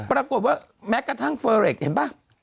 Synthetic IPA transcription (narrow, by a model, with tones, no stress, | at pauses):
pɾaː˧ko˨˩t̪̚waː˥˩ | mɛː˦˥ka˥˩t̪ʰa˦˥˩ŋfəː˧ɾe˨˩k̚hḛ˨˦nbaː˦˥˩ŋ